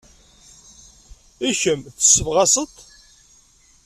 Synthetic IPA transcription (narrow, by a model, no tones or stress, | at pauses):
içəmθə̥sːəvʁɑsət̪